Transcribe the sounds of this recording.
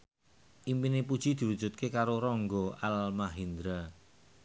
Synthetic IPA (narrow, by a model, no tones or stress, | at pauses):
ʔimpinepud̥ʒ̥i̤d̪̥i̤wud̥d͡ʒ̥ṳt̪̚kekaɾoɾɔŋɡɔalmaɦind̪ɾa